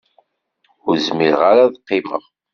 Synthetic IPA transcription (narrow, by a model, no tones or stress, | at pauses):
ʊɾzmiɾʁaɾaðqːimə̰ʁ